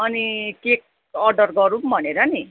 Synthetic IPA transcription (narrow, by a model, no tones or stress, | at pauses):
ʌnikek̚ | ʌrɖʌrɡʌɾumbʱʌneɾʌni